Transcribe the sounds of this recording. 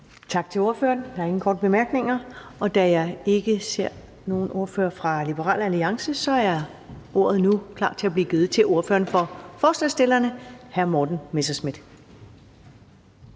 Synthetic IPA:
t͡sʰɑ̈ɡ̥̚t͡sʰe̝lo̝ɐføːɐnd̥ɑæɐe̝ŋn̩kʰɒ̰ːd̥̚b̥e̝mæɐɡ̥ne̝ŋɐʔɒ̽d̥æjɑ̈ɪe̝ɡ̥əse̝ɐ̰ | no̝ːn̩o̝ɐfø̰ːɐfʁɑ̈lib̥əʁɑ̰̈ːlæliɑ̈ŋsəsɒ̽æɐ | ʔo̝̰ɐ̰ð̞̩ˠnukʰlɑ̰̥̈ːt͡sʰe̝læb̥liːɡ̥eːð̩ˠt͡sʰe̝lʔo̝ɐfø̰ːɐnfɒ̽fɒːslɛsd̥e̝lɐnəhæɐmɒːd̥n̩mesɐsmid̥

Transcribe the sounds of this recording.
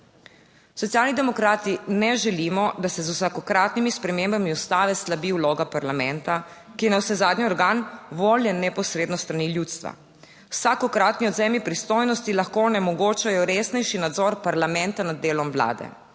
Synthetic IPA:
sɔt̪sijaːlnid̪ɛmɔkɾaːt̪inɛʒɛlimɔd̪asɛzuwsakɔkɾaːt̪nimispɾɛmembamiɔst̪aːʋɛslabiːwloːɡapaɾlamɛ̃nt̪a | kijɛnawsɛzaːd̪ɲiɔɾɡaːnʋoːljɛnɛpɔsɾeːd̪nɔst̪ɾaniljuːt̪st̪ʋa̰ | wsakɔkɾaːt̪niɔd̪zeːmipɾist̪oːjnɔst̪ilaxkoːnɛmɔɡoːt͡ʃajɔɾeːsnɛjʃinad̪zɔɾpaɾlamɛ̃nt̪anad̪̚ːeːlɔmwla̰ːd̪ɛ̰

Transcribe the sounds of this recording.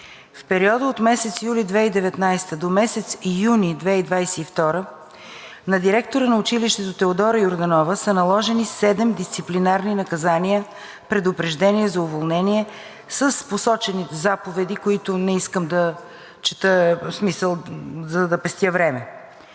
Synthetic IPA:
fpɛɾiɔd̪əot̪mɛsɛt̪sjulid̪vɛid̪ɛvɛt̪najst̪əd̪omɛsɛt̪sijunid̪vɛid̪vajsɛift̪ɔɾə | nɐd̪iɾɛkt̪oɾənɐʊt͡ʃiliʃt̪ɛt̪ot̪ɛod̪ɔɾəioɾd̪ɐnɔvəsənɐlˠɔʒɛnisɛd̪ɛmd̪ist̪siplinaɾninɐkɐzaniə | pɾɛd̪ʊpɾɛʒd̪ɛniɛzɐʊvolˠnɛniɛ | səsposɔt͡ʃɛnizapovɛd̪ikoit̪ʊnɛiskəmd̪ə | t͡ʃɛt̪əsmisəlˠzɐd̪ɐpɛst̪ʲjəvɾɛmɛ

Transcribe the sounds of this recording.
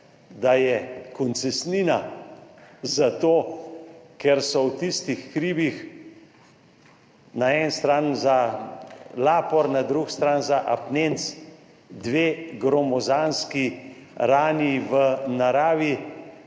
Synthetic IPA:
d̪ajɛkɔnt̪sɛsniːna | zat̪oː | kɛɾsɔwt̪ist̪ixːɾiːbix | naɛnst̪ɾaːnza | laːpɔɾnad̪ɾukst̪ɾaːnzaʔapnent̪s | d̪ʋeɡɾɔmɔzanskiɾaːniʋənaɾaːʋi

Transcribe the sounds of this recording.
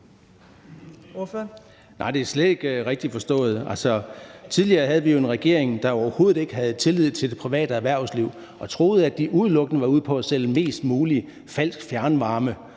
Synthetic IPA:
nʔɑ̈ɪd̥e̝æɐsled̥e̝ɡ̥ʁeɡ̥̚d̥ifɒ̽sd̥ɔ̰̽ːð̩ˠælsɒ̽t͡sʰiðˠliɐːɦæð̞̩ˠʋijo̝e̝nʁɛɡ̥e̝̰ɐ̰e̝ŋd̥ɑ̈ɒʊɐho̝ːð̩ˠe̝ɡ̥əɦæð̩ˠt͡sʰe̝lið̞̩̰ˠt͡sʰe̝d̥e̝pʰʁiʋɛ̰ːd̥əæɐʋæɐ̰sliʊ̰ | ɒ̽t͡sʰʁo̝ːð̞̩ˠæd̥iʔuð̞ˠlɔ̽ɡ̥ənəʋɑ̈uð̰ˠpʰɒ̽sel̰me̝̰ːsd̥muːli | fæl̰sɡ̥fjæɐnʋɑ̈ːmə

